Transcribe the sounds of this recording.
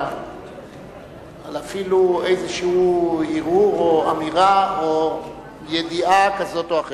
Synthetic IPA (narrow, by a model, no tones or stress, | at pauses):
alafiluejzeʃehuiʁuʁoamiʁao | je̞d̪iʔakazo̞toaχe